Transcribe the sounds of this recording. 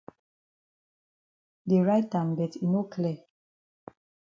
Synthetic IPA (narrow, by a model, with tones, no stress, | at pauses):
de˨ɹa˦jtːãmɡɛ˨tʰino˦kʰlɛ˨